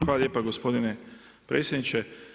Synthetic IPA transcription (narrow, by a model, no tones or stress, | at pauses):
alalʎjeːpaɡospo̞d̪ine | pɾḛːtsʲjed̪nit͡ʃe